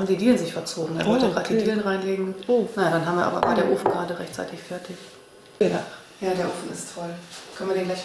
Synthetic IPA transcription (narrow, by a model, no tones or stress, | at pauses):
mdidiːlənzɪçfɛɐt͡soːɡŋ̩ḛːɐvɔltəʁaːtəd̥idiːlənʁaɪnleːɡŋ̩onajaːdanɦaːmviːɐʔa̰ːbɐ̰va̰ːɐdeːɐʔoːfn̩ɡʁaːdəʁɛçtt͡sa̰ɪtɪçfɛɐtʰɪç | jaːdeːɐʔoːfn̩ɪstʰɔlkʰœnviːɐdeːnɡlaɪç